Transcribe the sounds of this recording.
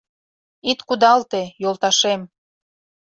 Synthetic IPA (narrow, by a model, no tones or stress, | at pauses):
it̪kud̪ɑlt̪ejolt̪ɑʃem